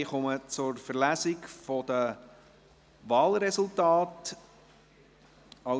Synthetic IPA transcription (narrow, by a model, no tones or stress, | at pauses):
χɔmət͡sʊrfərlæsɪkfodə | vɑːlɾɛsultɑːt | ɑ